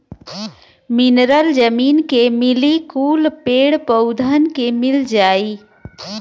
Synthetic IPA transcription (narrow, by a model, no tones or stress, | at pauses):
mɪnɾəld͡ʒəmiːnkemɪlikuːlpeːɽpəʊd̪ʱənkemɪld͡ʒaːiː